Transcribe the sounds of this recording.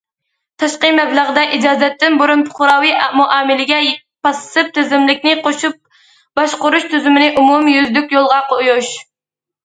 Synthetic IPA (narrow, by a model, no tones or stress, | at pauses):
t̪ʰɑʃqəmɛbləʁd̪ɛʔid͡ʒɑːzɛt̪ːɪnboɾunpʰʊ̥χʊɾɑwiʔɑmuʔɑːmɪlɪɡʲɛ | pɑsɨ̥sɨp̚t̪ʰyzɪmlɪkʲnɪqʰoʃup̚ | b̥ɑʃqʊɾuʃt̪ʰyzymɪnɪʔumumjyzd̪ykʲjolˠʁɑqʰojuʃ